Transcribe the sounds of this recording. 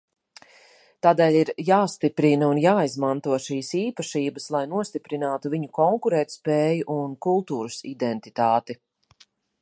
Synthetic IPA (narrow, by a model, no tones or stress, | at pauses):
t̪aːd̪ɛːʎʲiɾjaːst̪ipɾinɐunjaːizmant̪uɔʃiːsiːpaʃiːbɐslˠajnuɔst̪ipɾinaːt̪uviɲukɔŋkuɾɛːt̪spɛːjuʔunkulˠt̪uːɾusḭd̪ɛnt̪it̪aːt̪i